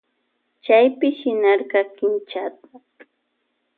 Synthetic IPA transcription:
t͡ʃajpɪʃɪnɑɾɢɑkɪnt͡ʃat̪ḁ

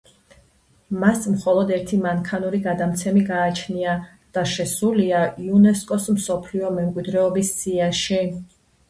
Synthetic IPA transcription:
masmχɔlˠɔd̪ɛɾt̪ʰimaŋkʰanuɾiɡad̪amt̪sʰɛmiɡaːt͡ʃʰnia | d̪̥aʃɛsuliaiunɛskʼɔsmsɔpʰliɔmɛmkʼwid̪ɾɛɔbisːiaʃi

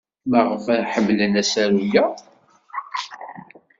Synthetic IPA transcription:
maʁəfæħəmːlənæsæɾujæ

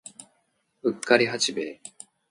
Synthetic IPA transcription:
ɯ̟kːaɾʲiɦat͡ɕibeː

